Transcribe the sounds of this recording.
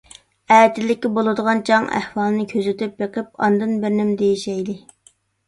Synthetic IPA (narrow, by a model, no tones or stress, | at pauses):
ɛt̪ʰɪlːɪkʲːibolˠɨd̪əʁɑnt͡ʃʰɑŋæ̰hwɑːlˠɨnɨkʲʰøzɪt̪yp̚beqəp̚ɑ̰nd̪ɨnbɪɾnɪmd̪ejiʃɛjlɪ